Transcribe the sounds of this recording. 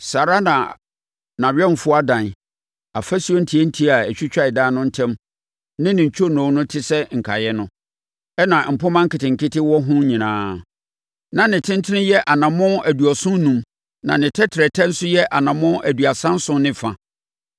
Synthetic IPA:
sa˨ɾa˦nã˨ | nã˨ɥᶣɛ˦m˨fʊ˦a˦dã˨n˨ | a˨fæ˦su˦o˦n̩˦tʰi˨e˦n̩˦tʰi˦a˨ɛ˨t͡ɕᶣi˦t͡ɕᶣa˦˨ɪ˨daː˦nʊ̃˦n̩˦tʰɛ̃˦m | nɪ̃˦nɪ̃˨ɲ̩˨t͡ɕʰᶣo˦nɔ̃˨˦nʊ̃˦tʰɪ˦sɛ˦ŋ̩˨kʰa˨jɛ˦nʊ̃˦ | ɛ˦nã˨m̩˨pʊ˦mã˦ŋ̩˦kʰɪ˨tɪ̃˨ŋ̩˨kʰɪ˦tɪ˦wɔ˦ɦʊ̃˦ɲĩ˨nãː˦ | nã˨nɪ̃˨tʰɪ̃˦n˦tʰɪ˦nɪ̃˦jɛ˦ʔa˨nã˨mʊ̃˦æ˨du˨ɔ˨sʊ̃˦n˦nũ˨m | nã˨nɪ̃˨tʰɛ˦tʰɪ˨ɾɛ˨tʰɛ̃˦n̩˦sʊ˦jɛ˦ʔa˨nã˨mʊ̃˦æ˨dɥa˨sã˦n̩˦sʊ̃˦nɪ̃˦˨fã˨

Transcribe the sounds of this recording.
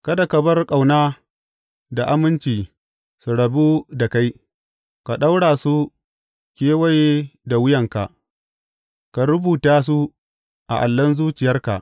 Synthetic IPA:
kɐ˦da˨kɐ˨bɐ˦rkʼa˨wnaː˦ | da˨ʔa˦mɪ˦nt͡ʃiː˨ | su˨ɽɐ˨bu˦da˨ka˦j | ka˨ɗa˦wɽaː˨su˦ | kʲeː˦wɐ˦jeː˦da˨wʊ˦jɐ˨ŋka̰˨ʔ | ka˨ɾʊ˦buː˨taː˦s̬u˦ | ʔa̰˨ʔa̰˨lːɐ˦nzuː˦t͡ʃɪ˨jɐ˦rka̰˨ʔ

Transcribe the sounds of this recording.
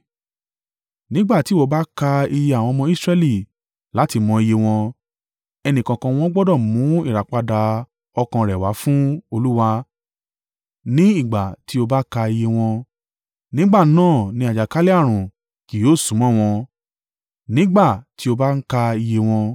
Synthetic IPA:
nĩ˦ɡ͡ba˦˨ti˨˦wo˦ba˦ka˧i˧je˧a˨w̃ɔ̃˧mɔ̃˧i˦sɾɛ˧li˦˨ | la˨˦ti˧mɔ̃˧i˧je˧w̃ɔ̃˧ | ɛ˧nĩ˨kã˨kã˧w̃ɔ̃˦ɡ͡bɔ˦dɔ˦˨mũ˨˦i˦˨ɾa˨k͡pa˧da˧ | ɔ˧kã˧ɾɛ˨wa̰˨˦fũ˦o˧lu˦wa˧ | nĩ˦i˦˨ɡ͡ba˨ti˨˦o˧ba˦ka˧i˧je˧w̃ɔ̃˧ | nĩ˦ɡ͡ba˦˨nãː˦˨nĩ˧˦a˨d͡ʒa˨ka˦li˦a˦˨ɾ̃ũ˨ | ki˨joː˨˦˨sũ˨˦mã˦˨w̃ɔ̃˧ | nĩ˦ɡ͡ba˦˨ti˨˦o˧ba˦n̩˦ka˧i˧je˧w̃ɔ̃˧

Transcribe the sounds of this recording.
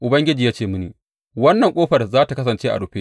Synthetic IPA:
ʔʊ˨bɐ˦ŋɡʲɪ˦d͡ʒiː˨jaː˦t͡ʃeː˦˨mʊ˦niː˨ | wɐ˦nːɐ˨ŋkʷʼoː˦ɸɐ˨rzaː˦ta˨kɐ˦s̬ɐ˨nt͡ʃeː˦ʔa̰˨ɽʊ˨ɸeː˦ʔ

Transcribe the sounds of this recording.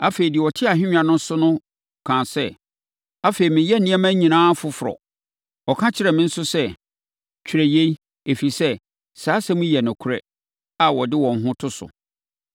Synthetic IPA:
a˦fe˨i˨dɪ˨ɔ˨tʰɪ˦a˨ɦɪ̃˦ɲᶣ˦ã˨nʊ̃˦n˦sʊ˦nʊ̃˦ | kʰã˨sɛ˦ | a˦fe˨i˨mɪ̃˨jɛ˦nĩ˦ɛ˦mæ̃˦ɲĩ˨nãː˦fʊ˦fʊ˨ɾɔ̰˨ | ɔ˨kʰã˦t͡ɕʰɪ˦ɾɛ˨mɪ̃˦n̩˦sʊ˦sɛ˦ | t͡ɕᶣʰɾɛ˨je˦i˦ | e˨fi˨sɛ˦ | saː˨˦sɛ˦mʊ̃˦jɛ˨nʊ̃˨kʰɾɛ̰˦ | a˨wɔ˨dɪ˦wɔ̃˨n˦ɦʊ̃˦tʰʊ˦sʊ̰˨

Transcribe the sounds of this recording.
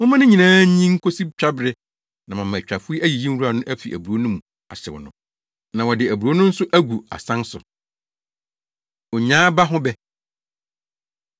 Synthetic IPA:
wʊ˦mã˦nɪ̃˦ɲĩ˨nãː˦ɲĩ˦ŋ̩˦kʰo˦si˦bt͡ɕᶣa˦bɪ˦ɾɪ˦ | nã˨mã˨mã˨t͡ɕᶣɾa˨fʊ˦i˦ʔæ˦ji˨jĩ˦m˦u˦ɾa˨nʊ̃˦ʔæ˦fḭ˨ʔæ̰˨bu˨ɾo˦nʊ̃˦m̃˨ | a̰˨sɪ̰˨w̰nʊ̰̃˦ | nã˨wɔ˨dɪ˨æ˨bu˨ɾo˦nʊ̃˦n̩˦sʊ˦ʔæ˦ɡu˨a̰˨sã˦nsʊ̰˨ | ɔ˨ɲãː˦ba˦ɦʊ̃˦bɛ˦

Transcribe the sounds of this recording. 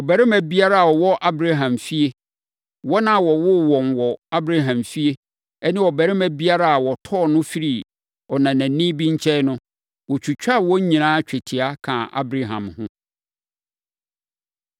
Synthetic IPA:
wɔ˨bɛ˨ɾɪ˦mæ̃˨bi˦a˦ɾa˦a˨wɔ˨wɔ˦ʔa˦bɾa˦ɦã˨mfi˦e˦ | wɔ˦nã˦˨wɔ˨wʊ˦wɔ̃˨nwɔ˨a˦bɾa˦ɦã˨mfi˦e˦ | ɛ˦nɪ̃˦wɔ˨bɛ˨ɾɪ˦mæ˨bi˦a˦ɾa˦a˨wɔ˨tʰɔ˦˨nʊ̃˦fi˦ɾi˨ | ɔ˨nã˨næ̃˨˦nĩ˦bi˦ɲ̩˦t͡ɕʰɛ˦nʊ̃˦ | wɔ˨t͡ɕʰᶣu˨t͡ɕᶣa˦˨wɔ̃˦ɲ˦ɲĩ˨nãː˦t͡ɕᶣɛ˨tʰi˨a˦kʰã˨ʔa̰˦bɾa˦ɦã̰˨mhʊ̃˦

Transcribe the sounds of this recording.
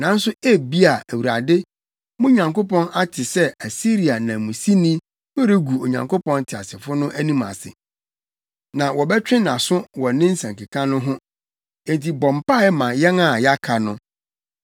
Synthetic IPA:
nã˨n̩˦sʊ˦e˦bi˦a˨æ˨wu˨ɾa˨dɪ˦ | mʊ̃˦ɲã˨ŋko˦pɔ̃˦na˦tʰɪ˨sɛ˦æ˨si˦ɾi˨a˨nã˨mũ˨si˦nĩ˦ | fɛ˦ɾe˦ɡu˨o˨ɲã̰˨ŋkʰo˦pɔ̃˦ntʰɪ˨a̰˨sɪ˨fʊ˦nʊ̃˦ʔæ˦nĩ˦mã̰˨sɪ̰˨ | nã˨wɔ˨bɛ˦t͡ɕᶣɪ̃˦nã˨sʊ˦wɔ˨nɪ̃˦n̩˦sã˨ŋki˨kʰã˦nʊ̃˦ɦʊ̃˦ | ɛ̃˨ntʰi˨bɔ̃˨mpa˦˨ɛ˦mã˨jɛ˦na˦˨ja˦kʰa˨nʊ̃˦

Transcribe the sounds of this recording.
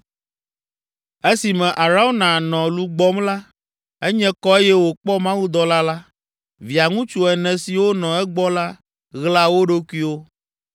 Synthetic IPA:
e˦si˨mɛ̃˨ʔa˨ɾa˦o˦nã˨nɔ̃˨lu˦ɡ͡bɔ˦mla˦ | ɛ˦ɲɛ̃˦kɔ˦e˦jɛ˦wo˨k͡pɔ˦mã˦wu˦d̪ɔ˨la˦la˦ | vi˨a˨ŋũ˦t͡ʃu˦ɛ˨nɛ̃˨si˨wo˦nɔ̃˨ɛ˦ɡ͡bɔ˦la˦ | ɣla˦wo˦ɖo˦ku˦i˦wo˦

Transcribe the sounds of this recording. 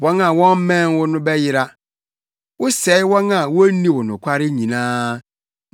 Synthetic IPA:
wɔ˦nã˨wɔ̃˦m̩˦mɛ̃˦˨nwʊ˦nʊ̃˦bɛ˦jɪ˦ɾa˦ | wʊ˦sɛ˨˦ɪ˦wɔ̃˦nã˨wʊ˦nĩ˦wʊ˨nʊ̃˨kʷʰa˦ɾɪ˦ɲĩ˨nãː˦

